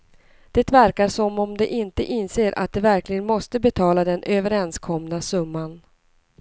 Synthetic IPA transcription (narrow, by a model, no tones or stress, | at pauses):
d̪̥ɛt̪væɾkaʂɔmːɔmd̪ɛʔɪnt̪əʔɪnːseːɾʔa̰t̪̚d̪ɛvæɾklɪɡənmɔst̪əbɛt̪ʰɑːlad̪ɛnʔøːvəɾɛnskʰɔmnasɵmːan